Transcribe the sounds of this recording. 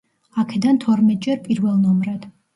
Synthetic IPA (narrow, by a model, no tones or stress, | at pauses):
akʰɛd̪ant̪ʰɔɾmɛt̪̚ʼd͡ʒɛɾpʼiɾvɛlˠnɔmɾad̪̥